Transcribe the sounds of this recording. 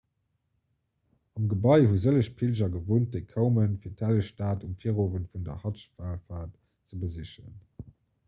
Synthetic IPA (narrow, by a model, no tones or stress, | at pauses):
ɑmɡəbɑɪhuzələʃpʰilʑɐɡəvoːnt̚d̥eɪkʰəʊmənfiːɐtʰæləʃtaːtumfiːəʁoːvənfundɐ̰hɑtʃfaːlfaːt | t͡səbəziʃə̰n